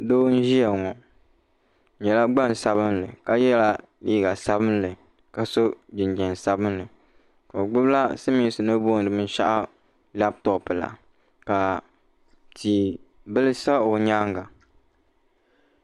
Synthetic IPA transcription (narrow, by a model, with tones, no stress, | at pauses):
doː˦n̩˦ʒi˦ɛ˨ŋɔ˨ | ɲɛ˨la˦ɡ͡ba˦˨n˨sa˦βɨ˦nlɨ˨ka˦jɛ˦la˦ | liː˦ɡa˨sa˦bɨ˦nlɨ˨ | ka˨so˦d͡ʒɪ˨n˨d͡ʒɛ˨n˨sa˦bɨ˦nlɨ˨ | ko˨o˨ɡ͡bʊ˦bla˦sɨ˦mi˦sɨ˨nɨ˦bo˦n˨dɨ˨mɨ˦n˦ʃa̰˦ʔa˦ | la˦b̚tɔ˨pɨ˨la̰˨ | ka˨ | tʰiː˨ | bɨ˦lɨ˦sa˦o˨ɲaː˦ŋɡa˨